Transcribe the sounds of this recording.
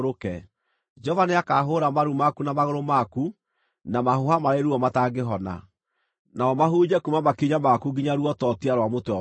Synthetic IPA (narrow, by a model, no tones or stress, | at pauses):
ɾokɛ | d͡ʒɔvaneakaɦoːɾamaɾumakunamaɣoɾomaku | namahohamaɾeɾuɔmataɡeɦɔna̰ | naɔmaɦuːd͡ʒɛkumamakiɲamakuɡiɲaɾuɔtɔtiaɾwamotwɔ